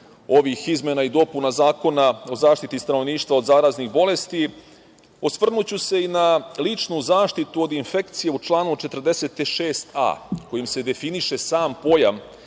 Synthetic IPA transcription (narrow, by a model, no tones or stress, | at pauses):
o̞ʋixizmenaid̪o̞punazaːko̞nao̞zaːʃt̪it̪ist̪ano̞ʋniːʃt̪vʋao̞d̪zaːɾaznixbo̞le̞st̪i | osʋr̩nut͡ɕuse̞inalit͡ʂnuzaːʃt̪it̪uo̞d̪infe̞kt̪sije̞ut͡ʃlˠaːnut͡ʃe̞t̪r̩d̪e̞se̞t̪ʃeːst̪ʰa̰ːko̞jimse̞d̪e̞finiʃe̞saːmpo̞jam